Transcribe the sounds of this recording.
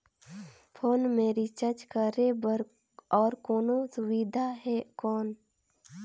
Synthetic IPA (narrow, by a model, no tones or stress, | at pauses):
pʰoːnmeːɾit͡ʃət͡ʃkəɾebəɾ | ɔːɾkoːnosʊʋid̪ʱaɦɛkɔːn